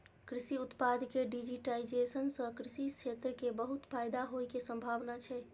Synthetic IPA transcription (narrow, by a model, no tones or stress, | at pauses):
kɾisiut̪pad̪keɖid͡ʒiʈaid͡ʒesənsə̃kɾisit͡ʃʰet̪ɾəkebəɦut̪pʰajd̪aɦojkesə̃mbʱaʋnat͡ʃʰɛ